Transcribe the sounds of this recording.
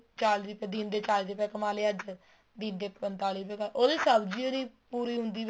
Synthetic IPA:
t͡ʃaːld̪iːpɛ̃ːd̪iːnd̪eːt͡ʃaːld̪iːpɛːkəmaːleːəd͡ʒ | d̪iːnd̪eːpənt̪aːliːpɛːkəːʔoːd̪iːsəbd͡ʒiːoniːpuːɾiːɦʊnd̪iː

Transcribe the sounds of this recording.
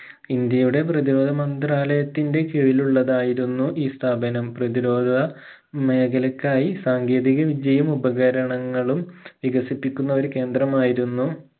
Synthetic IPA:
ind̪jɐjuɽe̞p̬rɐðiɾo̞ːd̪ʱɐmɐnd̪raːlɐjɐt̪ːinde̞kiɻiluɭːɐðaːjiɾunːuʔiːst̪ʰaːbɐnɐmprɐðiɾo̞ːd̪ʱɐ | me̞ːɡʰɐlɐkːaːjisaːŋɡe̞ːðiɣɐʋid͡ʑɐjɐmubɐɣɐɾɐɳɐŋːɐɭumʋiɡɐsipːikʲːunːɐʋɐɾke̞ːnd̪rɐmaːjiɾunːu

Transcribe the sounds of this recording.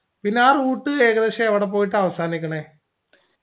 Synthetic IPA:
pinːeaːruːʈːɨe̞ːɣɐðeɕɐeʋiɽep̬oːjiʈ̬ːɨɐʋɐsaːnikʲːɐɳeː

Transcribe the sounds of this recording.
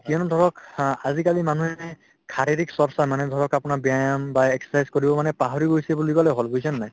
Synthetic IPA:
kiɔnud̪ʱɔɹɔkazikalimanuɛɛ | kʰaɹiɾiksɔɹsamanɛdʱɔɹɔkapʊnabijajambaɛkssajzkoɹibɔmanɛpaɦɔɹiɡojsɛbulikalɛɦɔlbojsɛnnaj

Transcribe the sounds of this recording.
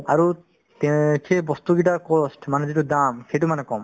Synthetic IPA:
aɾu | t̪ekʰebɔst̪uɡiʈaɾkɔsʈmaned͡ʒiʈud̪amkeʈumanekɔm

